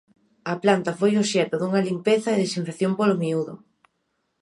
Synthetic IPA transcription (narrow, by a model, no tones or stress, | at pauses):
ɐplant̪ɐfojoʃɛt̪ʊðuŋɐlimpeθɐeðesiɱfeθjompolomiuðo̰